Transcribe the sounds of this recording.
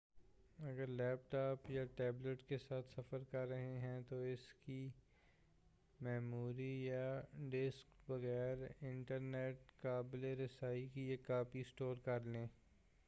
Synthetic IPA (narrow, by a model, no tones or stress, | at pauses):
ɐɡəɾlɛːp̚ʈaːpjaʈɛːbləʈkesaːt̪ʰsɐfəɾkɐɾːɐɦeɦɛ̃t̪oɪski | mɛːmuːɾijaɖɪskbɐɣɛːɾɪ̃ɳʈəɾneːʈkaːbleɾɪsaːikiekːaːpisʈoːɾkɐɾlẽː